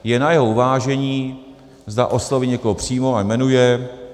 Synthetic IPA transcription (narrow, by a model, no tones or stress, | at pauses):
jɛnajɛɦouvaːʒɛɲiː | zda̰ʔo̞slo̞viɲɛkoɦopr̝̥iːmoajmɛnujɛ